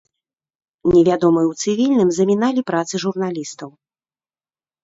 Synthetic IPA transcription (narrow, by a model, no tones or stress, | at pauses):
nʲɛvʲad̪ɔmɨjwt̪sɨvʲilʲnɨmzɐmʲinalʲipɾat̪sɨʐurn̪alʲist̪ɐw